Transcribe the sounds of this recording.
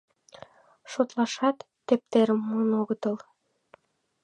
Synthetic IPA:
ʃot̪lɑʃɑt̪ːep̚t̪eɾəmːunoɣət̪ɤ̆l

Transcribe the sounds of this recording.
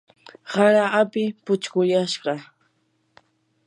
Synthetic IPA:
haɾaapɪpʊt͡ʃkʊʎaʃɢɑ

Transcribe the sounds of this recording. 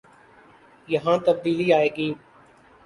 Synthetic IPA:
jɐɦãːt̪əb̚d̪iːliːaːeːɡiː

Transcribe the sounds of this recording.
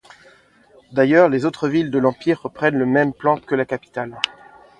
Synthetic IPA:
d̪ajœʁlezot̪χəvild̪əlɑ̃piʁːəpχɛnləmɛmplɑ̃kəlakapi̥t̪al

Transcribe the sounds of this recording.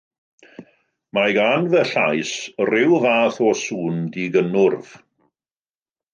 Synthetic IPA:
maɡanvəɬajsrɪwvaːθɔsuːndiɡənʊrv̥

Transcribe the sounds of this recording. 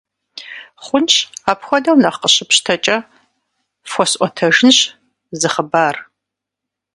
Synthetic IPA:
χʷʊnt͡ʃaːpxʷɔdɐwnɐχqəɕɪpɕtʰɐt͡ʃʼɐ | fɔsʔʷʼɔtʰɐʒɪnɕ | zɨχəbaːr

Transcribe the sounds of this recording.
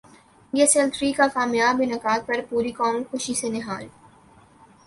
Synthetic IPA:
jeselt̪ɾiːkakaːmjaːbɪnɐkaːd̪̚pɐɾpuːɾikɔːmxʊʃisenɪɦaːl

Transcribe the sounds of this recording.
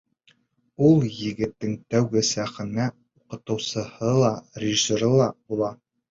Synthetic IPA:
ulˠjɘ̆ɡɘ̆t̪ːɘŋt̪æwɡɘsæχɘ̆næ | uqɤ̆t̪ɤ̆wsɤ̆hɤlˠɑrʲɪʒisoɾɤlˠɑbulˠɑ

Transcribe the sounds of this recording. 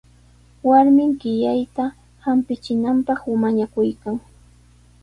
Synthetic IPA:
waɾmɪŋkɪjajt̪a | hampɪt͡ʃɪnampɑχʊmaɲakʊjkaŋ

